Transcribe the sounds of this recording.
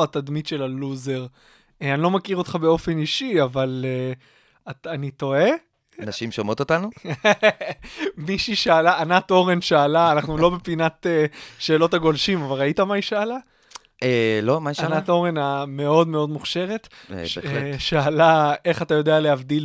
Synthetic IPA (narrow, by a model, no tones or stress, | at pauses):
at̪ad̪mitʃe̞laluzeʁ | eanilo̞makiʁot̪χabe̞o̞feniʃiavale | aanito̞e̞ | naʃimʃmot̪ot̪anu | miʃiʃaːlaʔanato̞ʁe̞nʃaːlaːnaχnulo̞bepinat̪eʃe̞ːlo̞thaɡo̞lʃimavalʁaitamaiʃaːla | elomaiʃanat̪o̞ʁe̞name̞o̞dmeo̞d̪muχʃe̞ʁe̞tʃḛʃaalaeχatajo̞dealeavdil